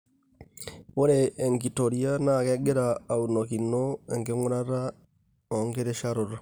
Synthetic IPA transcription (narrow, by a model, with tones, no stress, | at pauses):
wo˦ɾeʔːŋki˨to˨ɾia˦na˦˨kɛ˦ɡe˦ɾaː˨uno˨ki˨nːo˦ɛ˨ŋke˦ŋo˦ɾa˦ɾa˦ | o˨ŋɡe˦ɾe˦ʃaɾo˨ɾ